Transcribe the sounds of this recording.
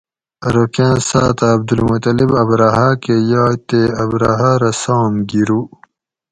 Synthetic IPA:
ɾokjãːsaːt̪aːb̚d̪ulmut̪ɐlibɐbɾaɦakejaːt̪eɐbɾaɦaɾɐsaːmɡiɾu

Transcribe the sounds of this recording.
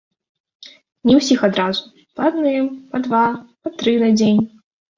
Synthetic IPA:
nʲɛwsʲixad̪ɾazu | pɐad̪nɨɛmpɐd̪vapɐt̪ɾɨnɐd͡zʲenʲ

